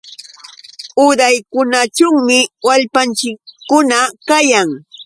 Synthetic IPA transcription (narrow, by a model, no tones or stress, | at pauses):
ʊɾajkʊnat͡ʃʊŋmɪwaʎpant͡ʃɪkːʊnakajaŋ